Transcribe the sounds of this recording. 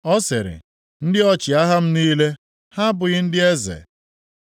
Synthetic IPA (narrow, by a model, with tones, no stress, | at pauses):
ɔ˦sɪ˨ɾɪ̰˨ | n̩˦dɪ˦ɔ˦t͡ʃɪ˨a˦ɦa˦m̩˦niː˦le˦ | ha˦bʊ˨ɣɪ˦n̩˦dɪ˦e˦zḛ˨